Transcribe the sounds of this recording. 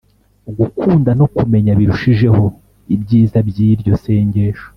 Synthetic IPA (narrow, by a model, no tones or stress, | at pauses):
ɡukʰuːndano̞kume̞ɲaβiɾuʃiʒe̞ho̞ | ibɟiːzabjiɾɟo̞se̞ːɲɟe̞ʃo